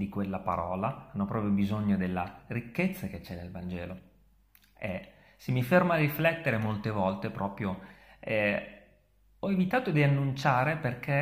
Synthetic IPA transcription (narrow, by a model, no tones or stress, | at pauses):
d̪ikwelːapa̰ɾɔːlaanːopɾɔːpɾjobizoɲːod̪elːarikːet̪sːaket͡ʃːɛnelvand͡ʒɛ̰ːlo | e | semifermaːriflɛt̪ːeɾemolt̪evɔlt̪epɾɔːpɾjoɛ | ɔevit̪aːt̪od̪ianːunt͡ʃaːɾeperk̟ʰe